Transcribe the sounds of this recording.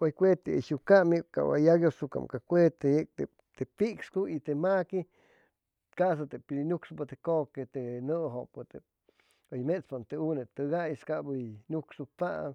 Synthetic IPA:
ojkʷet̪eiʃukamika̰wa̰jaɡjosuka̰mkakʷet̪eek̚t̪e | t̪epikskuit̪emaki | kas̬at̪epiinuksupat̪ekoket̪enɨɦopɨt̪e | ojmespant̪eunet̪ɨɡajskabɨnuksupa

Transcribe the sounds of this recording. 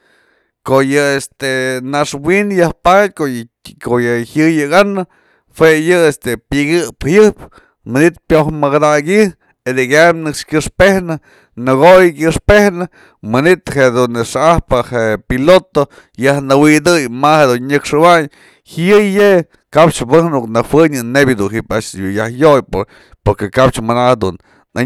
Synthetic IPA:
koʔjɨest̪enaʂwinjahpat̪̚ʲko | kojɨhjɨjɨɡanɨ | hwejɨest̪epiɡɨphjɨp | mɨnit̪̚pjohmɨkd̪aɡi | ed̪iɡʲamnɨkʂkʲɨʂpehnɨ | nɨɡojk̬ʲɨʂpehnɨ | mɨnit̪heʔd̪unʂaahpɨheʔpilot̪o | jahnɨwid̪ɨjmahed̪unɲɨkʂɨwaɲ | hɨjje | kapt͡ʃbɨhnuknɨwɨɲɨnebʲjɨd̪unɦipaʃjujahjojpo | poɾkekap̚t͡ʃmanahd̪ṵn | a

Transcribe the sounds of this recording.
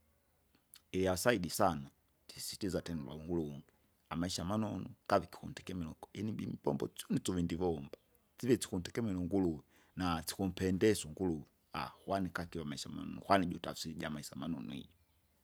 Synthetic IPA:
ɛjasaiɗisana | tisi̥tizatɛnɛlwa̰uŋɡuluuŋɡi | amaiʃamanɔnukaviki̥kṵntɛ̥kɛmɛlɔɛniɓimbɔ̰mbɔ̰t͡sɔnit͡sɔvindivɔmba | t͡sivɛt͡si̥kun̩tɛkɛmɛlɔŋɡuluwi | nat͡si̥kum̩pɛndɛsɔŋɡuluwi | a̰hwanikakiwamaiʃama̰nɔ̰nṵhwanid͡ʒutasiɟamaisamanɔnṵḭd͡ʒɔ

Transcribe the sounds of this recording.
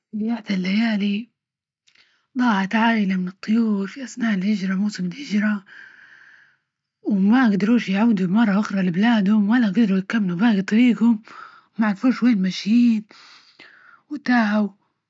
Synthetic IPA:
sjaːʕt̪alːajaːli | d̪ˤɑːʕat̪ʕaːʔɪlamɪnɨt̪ˤːʊjuːɾfiʔasnaːʔɪlhɪd͡ʒɾˤɑmuːsɪmɪlhɪd͡ʒɾˤɑ | wmaɡd̪ɑɾˤuːʃjʕuːd̪ubmɑrˤːɑʔʊxɾˤɑlɪblaːd̪hʊmwʔalaɡad̪ɾˤujɪkamːlubaːɡit̪ˤːɑɾiːɡhʊmː | aʕalfuːʃweːlmaʃjiːn | wɪt̪aːʕaw

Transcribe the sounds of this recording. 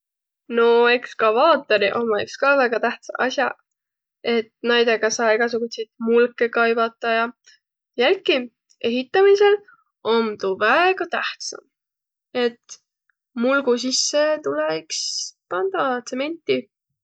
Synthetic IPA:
no̞e̞kskɑvɑːt̪ːˑeɾiʔomɑekskɑːvæɡ̥ɑt̪æht̪sɑ̰ʔɑsjɑ | e̞t̪næjd̪e̞ɡ̥ɑsɑːeɡ̥ɑs̬uɡ̥usejt̪mulkːˑe̞kɑjbɑt̪ːˑɑjɑ | jælki | e̞ɦit̪ːˑɑmise̞l | omt̪uvæeɡ̥ɑt̪æht̪sɑ̰m | e̞t̪ | mulɡ̥usisːet̪ulekspɑnd̪̥ɑt̪se̞me̞nʲt̪ːˑi

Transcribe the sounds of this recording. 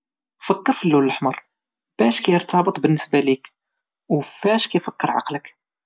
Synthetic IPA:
fəkːəɾfilːuləlħməɾˤ | b̥æʃkæjəɾt̪ɑbət̪ˤbənːəsbælik | wfæʃkæjfəkːəɾˤʕɑ̰qlək

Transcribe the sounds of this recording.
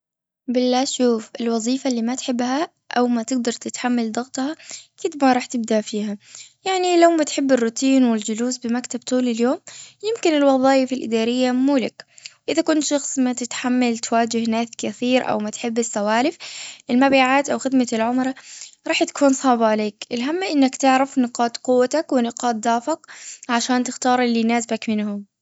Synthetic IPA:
bɪlːaːʃuːfɪlwɑðˤiːfalːiːmat̪ħɪbːha | ʔa̰wmat̪ɪɡ̚d̪ɑɾˤt̪ɪt̪ħamːald̪ɑɣt̪ˤhɑkɪd̪̚maɾˤɑːħt̪ɪb̚d̪aʔfiːɦajaʕnilawmat̪ħɪbːɪrːʊt̪ʰiːnwɪld͡ʒʊluːsbɪmakt̪ab̚t̪uːlɪljoːmjɪmkɪnɪlwɑðˤɑːjɪfɪlʔɪ̰d̪aːɾɪjːamuːlɪkwʔɪðakʊnt̪ʃɑxsˤmat̪ɪt̪ħamːalt̪waːd͡ʒɪhnaːskaθiːɾʔa̰wmat̪ħɪbːɪsːawaːlɪfʔɪlmabiːʕaːt̪ʔawxɪd̪malʕʊmɾˤɑɾˤɑːħt̪ḁkuːnsˤɑʕbaʕaleːkʔɪlɦamːaʔɪnːakt̪ɪʕɾafnɪqɑːt̪ˤqʊwːat̪akwɪnɪqɑːt̪̚d̪aːfɪkʕaʃaːnt̪ɪxt̪ɑːɾˤʔɪlːinaːsbakmɪnhʊm

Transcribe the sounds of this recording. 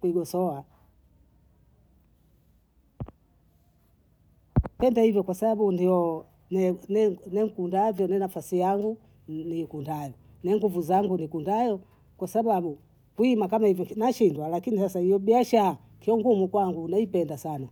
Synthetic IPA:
kwiɡɔsɔa | pɛndahivjɔkwasaɓaɓundiɔ | nɛnɛnɛm̩kundavjɔnɛnafasijaŋɡu | nikundajɔ | nɛŋɡuvuzaŋɡunikundajɔ | kwasaɓaɓu | kwimakamahivjɔnaʃindwalakinisasaijɔɓiaʃaː | kiɔŋɡumukwaŋɡunaipɛndasana

